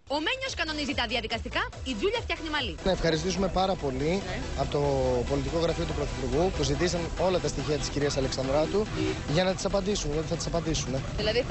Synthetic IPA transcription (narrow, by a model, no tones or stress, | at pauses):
omeɲo̞skɐno̞nizit̪ɐðiɐðikɐst̪ikɐ | id͡zuʎɐft̪çɐxnimɐlinɐefxɐɾist̪isume̞pɐɾɐpo̞liɐpot̪o̞po̞lit̪iko̞ɣɾɐfio̞t̪upɾoθipuɾɣupuzit̪isɐno̞lɐt̪ɐst̪içiɐt̪i̥sciɾiɐsɐleksɐnd̪ɾɐt̪uʝɐnɐt̪i̥sɐpɐnd̪isunot̪iθɐt̪i̥sɐpɐnd̪isune̞ðilɐði